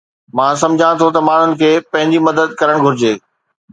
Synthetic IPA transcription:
mãːs̬ɐ̃md͡ʑʱãt̪ʰot̪ɐmaːɳ̤ʊnɪ̆kʰeːpɐ̃ɦɪ̃ɲd͡ʑimɐd̪əd̪̚kɐɾəɽ̃ɡʱʊɾɪd͡ʑeː

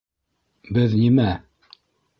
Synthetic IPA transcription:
bɘðnimæ

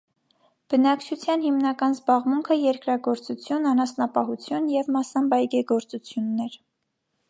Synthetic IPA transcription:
b̥ənɑkt͡ʃʰut͡sʰjɑnhimnɑkɑnzbɑʁmuŋkʰəjɛɾkɾɑɡɔɾt͡sut͡sʰjunɑnɑsnɑpɑɦut͡sʰjunjɛvmɑsɑmbɑjɡɛɡɔɾt͡sut͡sʰjunːɛɾ

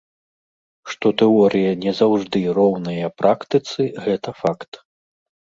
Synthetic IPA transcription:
ʂt̪ɔt̪ɛɔɾʔɨjɐnʲɛzawʐd̪ɨɾɔwnɐjɐpɾʔakt̪ɨt̪sɨɣɛt̪ɐfakt̪

